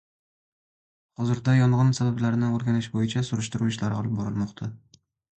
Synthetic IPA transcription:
hɒzɪɾd̪ajɒɴʁɨnsabablaɾnɪoɾɡʲanɪʃbojɪt͡ʃʰasʊɾɪʃt̪ɪɾuɪʃlaɾɪɒlˠɪp̚bɒɾɪlmɒqt̪ʰa

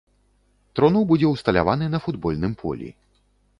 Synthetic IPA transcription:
t̪ɾɔnɔwbud͡zʲɛwst̪ɐlʲa̰vanɨnɐfud̪bɔlʲnɨmpʰɔ̰lʲḭ

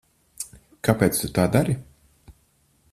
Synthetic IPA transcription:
kapeːt̪st̪ut̪aːd̪aɾi

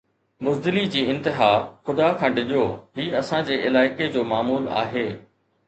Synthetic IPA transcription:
mʊzd̪ɪlid͡ʑiːɪ̃nt̪ɪɦaːxʊd̪akʰãːɖɪʄjoːɦiːɐsãd͡ʑeːɪlaːɪked͡ʑoːmaːmuːla̰ːɦeː

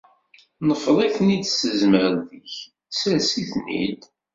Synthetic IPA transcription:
nəfðˤæknid̪səzməɾðəç | sæsiθnḭd̪

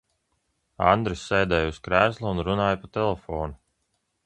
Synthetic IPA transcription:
and̪ɾisːɛjd̪ɛːjuskɾæːslˠuunɾunaːjapat̪ɛlˠɛfɔːnu

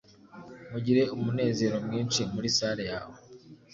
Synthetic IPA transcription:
muɟiɾe̞umune̞ːze̞ːɾo̞mŋiːnʃimuɾisaːɾeja̰ːwo

